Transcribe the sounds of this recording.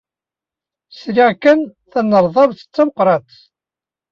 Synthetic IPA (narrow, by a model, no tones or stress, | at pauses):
sɾiʁkənθænːəɾˤðˤɑðθə̥t͡sːaməqɾˤɑt̪